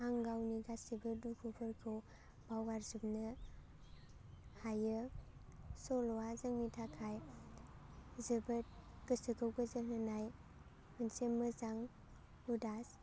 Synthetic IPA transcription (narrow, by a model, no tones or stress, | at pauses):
aŋɡawniɡasibɯdukʰupʰɯɾkʰɯw | b̥awɡaɾzupnɯ | hajɯ | sɔlɔwazɯŋmitʰakʰaj | zɯbɯt̚ɡɯsɯkʰɯwɡɯzɯŋnɯnaj | mɯnsemːɯzaŋ | udas